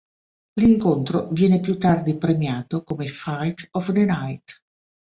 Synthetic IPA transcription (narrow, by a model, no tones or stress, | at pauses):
liŋkont̪ɾovjɛːnepjut̪ːard̪ipɾemjaːt̪okomefajt̪ɔfd̪enajt̪